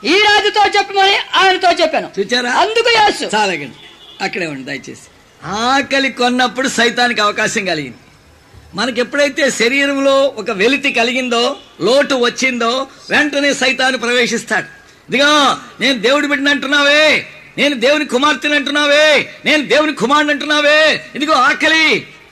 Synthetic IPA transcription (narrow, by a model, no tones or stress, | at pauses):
iːɾaːd͡ʒit̪oːt͡ʃepːimɐniaːjnɐt̪oːt͡ʃepːɐːnut͡ʃuːt͡ʃaːɾaːɐnd̪ukujeːsut͡ʃaːlɐkɐɽiɐkːɐɽeːʋɐɳɖid̪ɐ̰jt͡ʃḛːsi̥ | aːkɐlikonːɐpːuɽusɐjt̪aːnikiɐʋɐkaːʃɐŋkɐliɡḭnd̪i | mɐnɐk̬epːuɽɐjt̪e̞ːʃɐɾiːɾɐmlo̞ːɔkɐʋe̞lit̪ikɐliɡind̪oːloːʈuʋɐt͡ʃːind̪oːʋeɳʈɐne̞ːsɐjt̪aːnːipɾɐʋe̞ːʂist̪aːɽu | id̪iɡaːne̞ːnud̪e̞ːwuɽupeʈːinɐɳʈunːaːʋeː | ne̞ːnud̪e̞ːwunikumaːɾt̪ilɐɳʈunːaːʋeːne̞ːnud̪e̞ːwunikumaːɳɖɐɳʈunːaːʋeːind̪ukoːaːkɐli